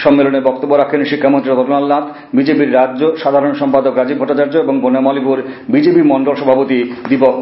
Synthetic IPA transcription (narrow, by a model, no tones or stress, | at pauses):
ʃɔmːeloneɾbɔk̚t̪obːoɾakʰenʃikʰːamont̪ɾiɡʱɔʈonalnat̪ʰ | bid͡ʑepiɾːaoʃad̪ʱaɾonʃɔmpad̪okɾad͡ʑibʱɔʈːat͡ɕaɾd͡ʑoeboŋbonamɔlipuɾbid͡ʑepimɔɳɖolʃɔbʱapot̪id̪ipok